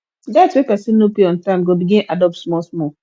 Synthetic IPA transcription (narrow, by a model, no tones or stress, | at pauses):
datswepɛsĩnːopeɔ̃ntãmɡobiɡĩadɔp̚tsmɔlsmɔ